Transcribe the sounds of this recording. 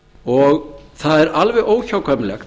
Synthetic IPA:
ɔɣθaðɛɾalvɛðoːwçawkʰœmlɛx

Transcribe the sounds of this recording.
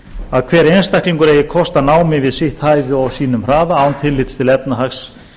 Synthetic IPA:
aðkʰvɛːɾejnst̪ahkliŋkʏɾeːjɪkʰɔst̪anaːwmɪvɪðsɪht̪haːjvʏawsiːnʏmr̥aːvaaːwnt̪ʰɪlːɪt̪st̪ʰɪlɛp̚naɦaks

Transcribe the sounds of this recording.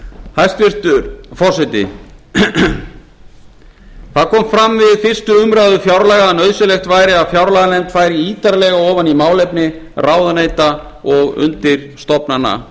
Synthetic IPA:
hajst̪vɪr̥t̪ʏɾfɔrsɛjt̪ɪ̰ | θaðkʰɔːmfɾamːvɪðfɪr̥st̪ʏʏmɾaðʏfjawɾlaːɣaɛnœðsʏlɛxt̪vajɾɪaðfjawɾlaɣanɛmt̪fajɾiiːt̪aɾlɛɣaɔːvanimaːwlɛjpnɪ | raːwðanejt̪a | ɔɣʏ̰nt̪ɪɾ̥st̪ɔpnanːa̰

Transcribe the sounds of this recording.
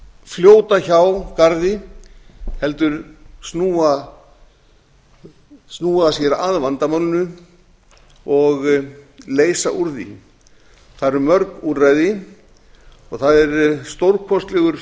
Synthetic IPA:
fljoːwt̪açawkaɾðɪ | hɛlt̪ʏɾ̥snuːa | snuːasjɛɾaðvant̪amœwlnʏ | ɔɣleːjsaʔuɾðɪ̰ | θaðɾɛɾmœɾkurajðɪ | ɔɣθaðɛɾst̪owɾkʰɔst̪lɛɣʏɾ̥

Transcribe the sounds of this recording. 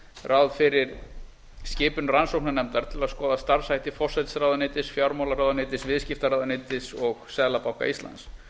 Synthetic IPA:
rʔawðfɪɾɪɾ | scɪːpʏnransowknanɛmt̪aɾ̥t̪ʰɪlaðskɔːðast̪aɾv̥sajt̪ɪfɔr̥sajt̪sɾawðanɪːt̪ɪsfjawɾmawlaɾawðanɪːt̪ɪsvɪðscɪft̪aɾaːwðanɪːt̪ɪsɔɣsɛðlapawhka̰ʔist̪la̰ns

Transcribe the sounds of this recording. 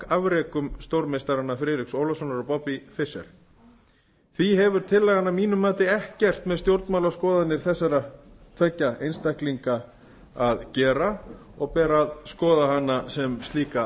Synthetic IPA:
avɾɛːkʏmst̪owɾmejst̪aɾanːafɾɪːɾɪksoːwlasɔnaɾɔpɔpifɪsɛ̰ɾ̥ | θviɦɛvʏɾ̥t̪ʰɪlːɛːɣanːamiːnʏmaːt̪ɪɛhcɛr̥t̪mɛðst̪jowɾt̪maːwlaskɔːðanːɪɾ̥θɛsːaɾat̪ʰvɛcːaejnst̪ahkliŋka | aðcɛːɾa | ɔɣpɛːɾaðskɔːðaɦanːasɛmst̪liːka

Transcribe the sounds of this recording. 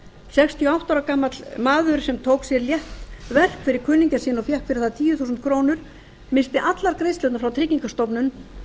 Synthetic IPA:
sɛkst̪ʰiɔawht̪awɾakaːmat̪lmaːðʏɾ̥sɛmt̪ʰoːwksjɛɾljɛht̪vɛr̥kfɪɾɪɾ̥kʰʏnːiɲcasiːnɔfjɛhkfɪɾɪɾ̥θaðat̪ʰiːjʏθuːsʏnt̪̚kʰɾoːwnʏɾ̥ | mɪnst̪ɪʔat̪laɾkɾejst̪lœwt̪nafɾawt̪ʰɾɪciŋkast̪ɔwpnʏn

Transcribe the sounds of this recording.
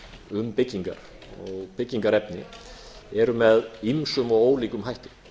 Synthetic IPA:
ʏmpɪcːiŋka̰ɾ̥ | ɔɣpɪcːiŋkaɾɛpnɪ | ɛɾʏmɛðimsʏmɔɣoːwliːkʏmɦajht̪ʏ

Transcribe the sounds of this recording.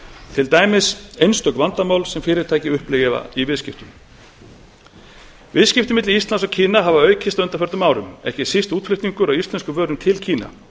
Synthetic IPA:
t̪ʰɪlt̪aːjmɪsejnst̪œkvant̪amaːwlsɛmfɪːɾɪɾt̪ʰaːjcɪʏhplɪɣɪva̰ivɪðscɪft̪ʏm | vɪðscɪft̪ʏmɪt̪lɪist̪lansɔɣcʰiːnaɦavaœːɥcʰɪst̪œnt̪afœɾt̪ʏmaːwɾʏmɛ̰hcɪsist̪uːt̪flɪht̪niŋkʏɾawist̪lɛnskʏvœːɾʏmt̪ʰɪlcʰiːna̰

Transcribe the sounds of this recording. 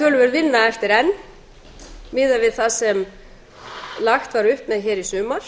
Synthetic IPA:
t̪œːlʏvɛɾðvɪnːaɛft̪ɪɾɛnː | mɪːðavɪðθasɛm | laxt̪vaɾʏhpmɛðçɛːɾisʏːmaɾ̥

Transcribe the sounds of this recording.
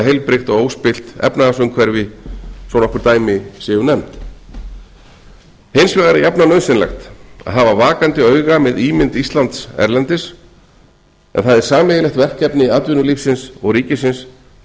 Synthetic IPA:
ɦejlpɾɪxt̪ɔɣowspɪl̥t̪ɛ̰pnaasʏmkʰvɛɾvɪsɔnɔhkʏɾt̪aːjmɪsɪːʏnɛmt̪ | hejnsvɛɣaɾɪjapnanœɥsɪnlɛ̰xt̪a̰ðɦavavaːkant̪ɪœːɥɣamɪðiːmɪnt̪ist̪lant̪sɛ̰ɾlɛnt̪ɪs | ɛ̰nθaðɛɾ̥saːmɛjɪlɛxt̪vɛr̥cɛpnɪat̪vʏnʏlifsɪnsɔɣɾiːcɪsɪns

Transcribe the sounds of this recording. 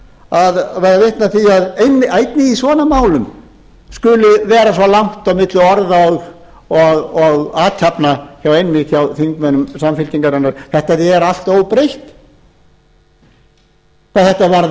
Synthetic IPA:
aðvajðavɪht̪naθiaðejnːɪaːjt̪nɪisvɔːnamaːwlʏm | skʏlʏvɛːɾasvɔlaŋ̥t̪awmɪt̪lʏɔɾðaɔ | ɔɣɔɣaːt̪ʰapnaçawejnmɪt̪çawθiŋkmɛnʏmsamfɪlt̪iŋkaɾanːaɾ̥θɛht̪aðiɛɾal̥t̪oːwpɾejht̪ | paθɛht̪avaɾ

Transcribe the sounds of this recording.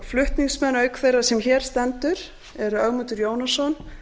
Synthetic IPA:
flʏht̪niŋksmɛnːœːɥkfejrasɛmçɛːɾ̥st̪ɛnt̪ʏɾ | ɛɾʏœɣmuːt̪ʏɾjoːwnasɔn

